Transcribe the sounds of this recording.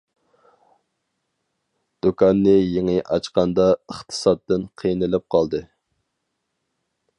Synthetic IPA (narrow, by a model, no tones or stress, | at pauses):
d̪̥ukʰɑnːɨjeŋɨʔɑ̰t͡ʃqɑnd̪ɑəχt̪ʰɨ̥sɑd̪ːɨnqʰijnɨlɪp̚qʰɑlˠd̪ɨ